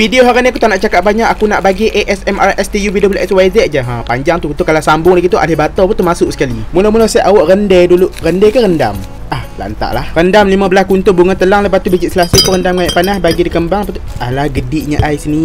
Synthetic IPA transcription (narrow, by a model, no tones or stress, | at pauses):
fidioɦaɾaniakut̪anaʔt͡ʃakap̚baɲaʔakunaʔbaɡiʔeʔɛsɛmarʔɛst̪ijuvidobəlɛswajzɛʔ̚d͡ʒaɦapaɲd͡ʒaŋt̪ukut̪ukalasambʊŋlaɡit̪uʔa̰lɪhbat̪ɔpunt̪uhmasʊʔsə̥kalimunɔmunɔsɛʔawɔʔrəndɛduluʔrəndɛkarənda̰m | ahla̰ʔnt̪a̰ʔlahrəndamlimãbəlaskunt̪ʊbuŋant̪əlaŋləpaht̪ubəd͡ʒiʔsəlasit̪uɾəndamkajaʔpanahbaɡidikəmbaŋapat̪ualahɡədɪʔɲaʔajsəni